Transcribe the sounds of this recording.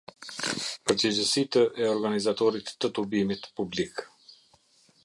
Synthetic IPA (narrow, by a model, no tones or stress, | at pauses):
pəɾd͡ʑəd͡ʑəsit̪əʔɛɔɾɡanizat̪ɔɾit̪ːət̪ubimit̪publik